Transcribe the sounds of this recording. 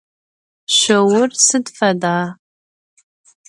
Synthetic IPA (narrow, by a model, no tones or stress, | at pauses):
ɕʷɐwʊrsɨdfɐdaː